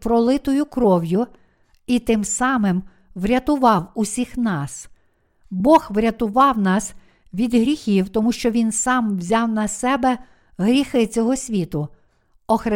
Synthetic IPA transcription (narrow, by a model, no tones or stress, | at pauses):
pɾɔlˠɪt̪ɔjʊkɾɔwjʊ | it̪ɪmsɑmɪm | ʋɾʲɐt̪ʊʋɑwusʲixnɑs | bɔxʋɾʲɐt̪ʊʋɑwnɑs | ʋʲid̪ɦɾʲixʲiwt̪ɔmuʃt͡ʃɔʋʲinsɑmʋzʲɑwnɐsɛbɛ | ɦɾʲixɪt͡sʲɔɦɔsʲʋʲit̪ʊ | ɔxɾɪ